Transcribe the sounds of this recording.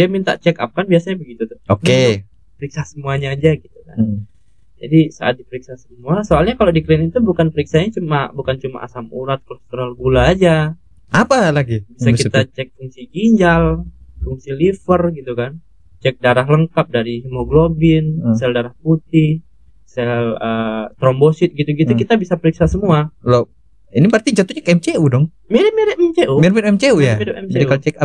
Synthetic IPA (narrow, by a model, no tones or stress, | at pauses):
diamint̪a̰ʔt͡ʃɛka̰p̚kanbiasaɲabəɡit̪ut̪ʊ̥hoke | pəɾiksasəmuaɲaːd͡ʒaɡit̪uka̰n | d͡ʒa̰disa̰ʔa̰t̪̚dipəɾiksasəmuasoalɲakalodiklinit̪ubukanpəɾiksaɲat͡ʃumabukant͡ʃuma̰ʔa̰samuɾat̪̚klost̪uɾalɡulaːd͡ʒa | ʔapalaɡibisakit̪at͡ʃɛk̚fuŋsiɡiɲd͡ʒalfuŋsilifərɡit̪ukan | t͡ʃɛk̚daɾaɦləŋkap̚daɾiimoɡlobɪnsɛldaɾahput̪ɪh | sɛlət̪ɾɔmbosɪt̪̚ɡit̪uɡit̪ukit̪abisapəɾiksasəmualo | inipərt̪it͡ʃat̪uɲakɛmt͡ʃeudɔŋ | miɾmiɾɛmt͡ʃeumiɾmɛɾɛmt͡ʃeujadɛmd͡ʒadikalot͡ʃɛka